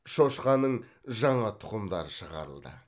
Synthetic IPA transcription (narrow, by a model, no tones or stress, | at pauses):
ʃo̞ʃqɑnəɴ | ʒɑɴɑt̪ʰʊ̥qəmd̪ɑ̰ɾəʃəʁɑ̰ɾə̰lˠd̪ə̰